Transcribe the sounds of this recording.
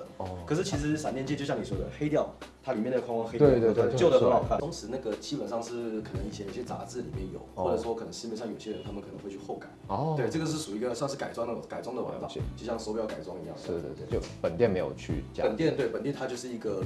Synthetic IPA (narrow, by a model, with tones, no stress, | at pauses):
kʰɤ˨˩ʂɻ̩˥˩t͡ɕʰi˧˥ʂ̬ɻ̩˧˥sa̰˨˩nt̪jnt͡ɕjɛ˥˧t͡ɕjɕjɑ˥˩ni˨˩swd̪ə˨˩xe˥ɪt̪jɑ˥˩ʊt̪ʰa˥li˨˩mjɛ˥˩nd̪ə˩kʰɑ˥ŋwɑ˥ŋxe˥ɪe˥˧˩t̪we˥˧˥t͡ɕjo˥˩ə˨˩˧lɑ˨˩kʰt̪ʰʊ˧˥ŋʂɻ̩˧˥na˥˩ɡə˩t͡ɕi˥pə˨˩nʂɑ˥˧ŋʂɻ̩˥˩kʰɤ˨˩nə˧˦ŋi˨˩t͡ɕʰjɛ˦˥no˥˩ɕjɛ˥t͡sa̰˧˥t͡sɹ̩˥˩lḭ˨˩mjɛ˥˩njo̰˨˩˦ʊxwɔ˥˩ʈ͡ʂɤ˨˩ʂwɔ˥kʰɤ˨˩ə˧˥ʂɻ̩˥˧mɛ˥˧ʂɑ˥˩ŋjo˨˩ʊ˩ɕjɛ˥ɻə˧˥nt̪ʰa˥mə˨kʰɤ˨˩nə˧˦˥xwe˥˧t͡ɕʰy˧xo˥˩ʊka˨˩˦ɪwe˥˩ɪʈ͡ʂɤ˥˩ɡə˧ʂ̬ɻ̩˥˩ʂu˨˩i˧˥ɡə˧swnʂɻ̩˥˩ka˨˩ɪt͡swŋna˥˩˧ka˨ɪt͡swɑ˥ŋd̪ə˨wa̰˧˥nfa̰˥˧˥t͡ɕjo˥˧ʊɕjɑ˥˩ŋso˧˥pi˨˩jɑ˥˩ka˨˩ɪt͡swɑ˥ŋi˧˥jɑ̰˥˩ŋ̩˥˩e˥˩t͡ɕo˥˩pə˨˩nt̪jɛ˥˩nme˧˥jo̰˨˩ʊt͡ɕʰy̰˥˩t͡ɕj̰pə˨˩nt̪jɛ˥˧nt̪we˥˩ɪpə˨˩nt̪jɛ˥˧nt̪ʰa˥t͡ɕjo˥˧ʊʂɻ̩˥˩i˧˥ɡə˧